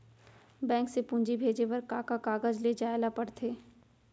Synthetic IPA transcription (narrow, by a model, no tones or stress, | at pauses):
bɛ̃ːŋksepũːɲd͡ʒibʱeːd͡ʒeʋɐɾkaːkakaːɡəd͡ʒled͡ʒaːelapɐɽt̪ʰeː